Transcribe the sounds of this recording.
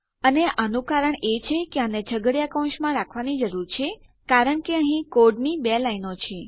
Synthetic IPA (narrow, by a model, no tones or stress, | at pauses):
əneʔanũkaɾəɳet͡ʃʰekeanet͡ʃʰəɡəɽjakə̃w̃ʃmãɾakʰʋanid͡ʒəɾuɾt͡ʃʰe | kaɾəɳkeəɦĩkoɖnibelainot͡ʃʰe